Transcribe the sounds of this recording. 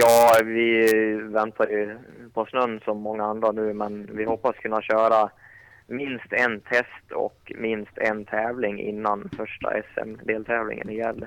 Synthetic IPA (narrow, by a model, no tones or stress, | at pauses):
jɑːvɪvɛnt̪ʰaɾjɵpʰɔsnɵnːsɔmːɔŋːaand̪ɾanʉ̟ːmɛnvɪhɔpːaskʰɵnːaɕœːɾa | mɪnst̪ɛnt̪ʰɛst̪ʰɔ̰kmɪnst̪ʰɛnt̪ʰɛːvlɪŋʔɪ̰nːanfœʂʈa̰ʔɛsɛ̰md̪eːlt̪ʰɛːvlɪ̰ŋə̰nɪjɛlː